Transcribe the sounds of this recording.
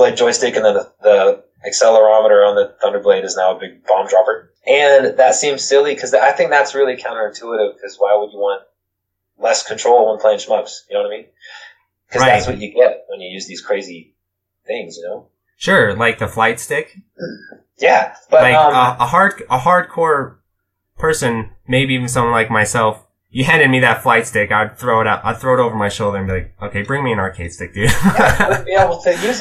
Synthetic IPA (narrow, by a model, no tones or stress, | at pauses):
laɪd̥ʒ̥ɔɪstɪkɨ̃nðɨ̃nðəðə | ɨksɛlˠə˞ɑməɾə˞ə̃nðɨθʌ̃ndə˞blẽɪ̃ɾɨznaʊəbɪɡ̚b̥ɑ̃mdɹɑpə˞ | ʔɨ̃nðɨtsĩmz̥sɪlˠikʰʌzðaɪθɪ̃ŋk̚ðætsɹɪlˠikʰãʊ̃ñɾə˞ɨ̃tʰuəɾɪv̥kʰʌzwaɪwəd͡ʒəwɑ̃nt | lɛskʰn̩tʰɹ̥oʊlˠwə̃npʰl̥eɪɨ̃nʃmʌksjɨnoʊʌ̃ñmĩn | kʰʌzðætswʌt͡ʃɨɡɛt̚wə̃njɨjʉzðiz̥kʰɹ̥eɪzi | θɪ̃ŋzjɨnoʊ | ʃʊɹlaɪk̚ðəflaɪtstɪk | jæb̥ʌlaɪəəɦɑɹd̚əɦɑɹd̚kʰɔɹ | pʰɜ˞sɨ̃nmeɪbiivɨ̃n̩s̬ʌ̃mθʌ̃ŋlaɪk̚maɪsɛlˠf | jɨɦæ̃ndɨd̚miðɨtflaɪtstɪkaɪd̚θɹoʊəɾaʊɾa̰ɪdθɹoʊɾoʊvə˞maɪʃoʊlˠdə˞ɨ̃nmbilaɪk̚oʊkʰeɪbɹɪ̃ŋmiɨ̃nɑɹkʰeɪtstɪk̚d̥ʉ | iawl̩ˠtʰɨjʉz